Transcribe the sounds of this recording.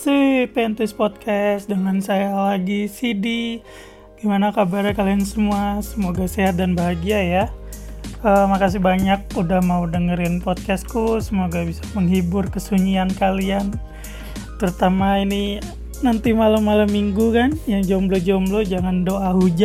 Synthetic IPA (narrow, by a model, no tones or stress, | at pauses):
supent̪ʊspɔt̪̚kʰɛsdəŋansajalaɡisidi | ɡ̥imanakabaɾjakaliansəmuasəmoɡaseɦat̪̚danbaɦaɡiaja | əmakas̬ibaɲak̚udahmaudəŋəɾɪnpɔt̪̚kɛst̪kusəmoɡabisḁməŋɦibʊrkəsuɲiankalian | t̪əɾut̪amaini | nant̪imalamːalamːiŋɡukanjaŋd͡ʒomblod͡ʒɔmblod͡ʒaŋandoaɦud͡ʒa